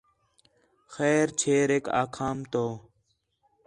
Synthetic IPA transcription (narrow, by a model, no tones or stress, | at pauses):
xɛːɾt͡ʃʰeːɾeːka̰ːkʰaːmt̪oː